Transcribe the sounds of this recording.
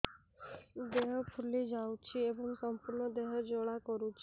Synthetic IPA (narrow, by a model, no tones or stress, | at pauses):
d̪eɦpʰulid͡ʒaũt͡ʃʰiebɔŋsəmpuɾɳɔd̪eɦɔd͡ʒoɽakɔɾut͡ʃʰi